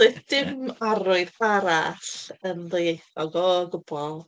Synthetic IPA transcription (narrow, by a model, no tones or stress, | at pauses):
doɨðd̥ɪmaɾʊɨðbaɾaɬənðəjejθɔɡɔɡʊb̥ɔlˠ